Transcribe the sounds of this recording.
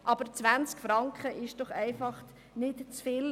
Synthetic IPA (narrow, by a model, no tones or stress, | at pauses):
ʔɑb̥əɾt͡svænt͡skfɾɑŋkχəʔɪʃd̥ɔχæɪfɑχ | nɪtt͡sfɪl